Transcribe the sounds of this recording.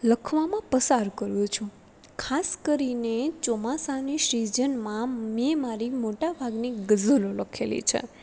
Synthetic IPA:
ləkʰʋamãpəsaɾkəɾjũt͡ʃʰũ | kʰaskəɾinet͡ʃɔmasaniʃɾid͡ʒənmãmemaɾimoʈabʱaɡniɡəzəloləkʰelḭt͡ʃʰḛ

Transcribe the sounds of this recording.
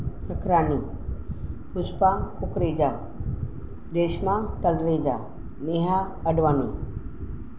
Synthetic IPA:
t͡ʃəkʰɾaːni | pʰʊspakʊkɾed͡ʒa | deːʃmãt̪əlɾeːd͡ʒa | neɦa | əɖʋaːni

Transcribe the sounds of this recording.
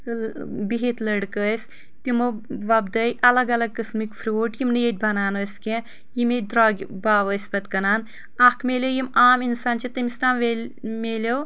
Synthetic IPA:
biɦit̪lɐɽkəːsʲ | t̪imoʋɐbd̪ɐjʔɐlɐɡɐlɐɡ̚kɐsmikfʰɾʲoːʈjimnɨjet̪̚ʲbʱɐnaːnoːsʲkẽ | jimed̪ɾaːɡʲbaːʋəsʲbɐt̪kɐnaːn | ɐkʰmeːlʲewjimaːminsaːnt͡ʃʰit̪imist̪aːmʋemeːlew

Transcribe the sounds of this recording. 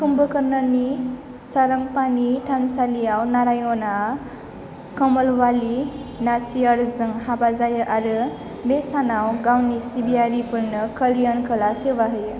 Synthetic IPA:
kumbəkʌɾnʌni | sʌɾʌŋpaniʈʰansaliawnaɾajona | kʌmʌlwalinat͡sʰiʌɾd͡zʌŋɦabad͡zajəʔaɾɯ | mesanawɡawnisibijaɾipuɾnʌkʌlijʌnkʰəlasewaɦɯj

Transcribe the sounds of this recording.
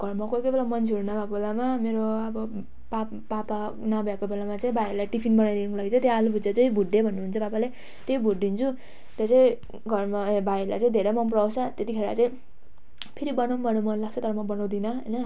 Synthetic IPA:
ɡ̥ʱʌrmakokejbelamʌnt͡sʰeoɾunabʱakobelamameɾoʌbʌ | pa | papa | nabʱakobelamat͡saĩbʱajilajʈipʰinbʌnajd̪inʌkolaɡit͡sʌ̃t̪jealubʱud͡zat͡saĩbʱuɖebʱʌnːuɦunt͡sʰʌbapale | t̪ejbʱuʈ̚d̪int͡sʰu | t̪ʌt͡saĩ | ɡʱʌrmabʱaila̰jt͡saĩd̪ʱeɾemʌnp̬rawt͡sʰʌt̪et̪ikʰeɾa̰t͡saĩ | pʰiɾibʌnawnbʱʌnʌmʌnlaɡ̚t͡sʰʌt̪ʌɾʌmʌbʌnaw̃d̪inʌɦʌjnʌ

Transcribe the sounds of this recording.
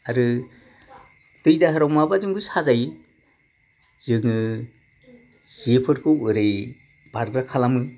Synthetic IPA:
aɾɯ | tɯjdaɦɯɾawmabazɯŋɡɯsazaj | z̥ɯŋɯ | sipʰɯɾkʰɯɯɾɯj | b̥aɾɡɾakʰalamɯ

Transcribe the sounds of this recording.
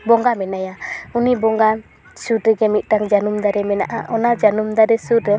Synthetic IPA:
bɔŋɡamɛnajaunibɔŋɡa | sudɾɛɡɛmit̪̚ʈaŋd͡ʒanumd̪aɾɛmɛna̰ʔaʔɔnad͡ʒanumd̪aɾɛsutɾɛ

